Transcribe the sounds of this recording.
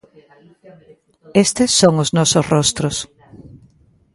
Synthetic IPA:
est̪ɪsːoŋʊznɔsʊsrɔst̪ɾʊs

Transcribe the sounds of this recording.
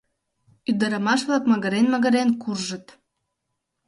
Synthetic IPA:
yd̪əɾəmɑʃβlɑkməɣəɾenməɣə̆ɾenkurʒə̆t̪

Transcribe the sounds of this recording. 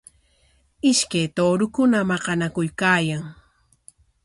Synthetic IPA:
ɪʃkajt̪oːɾʊkʊnamɑqɑnakʊjkaːjaŋ

